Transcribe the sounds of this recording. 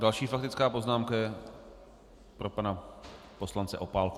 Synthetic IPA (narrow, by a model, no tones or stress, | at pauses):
dalʃiːfak̚t̪ɪt͡skaːpo̞znaːmkajɛ | pɾo̞pana | po̞slant͡sɛʔo̞paːlku